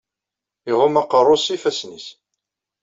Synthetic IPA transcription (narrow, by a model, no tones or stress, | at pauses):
iʁʊmɑqərˤːʊsifæsnis